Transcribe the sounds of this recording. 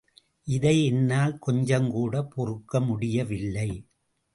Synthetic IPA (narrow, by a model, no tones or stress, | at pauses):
ʔɪðɐɪɛnːaːlkɔɲd͡ʒɐŋkuːɽɐpɔrɯkːɐmʊɽɪjɐʋɪlːɐɪ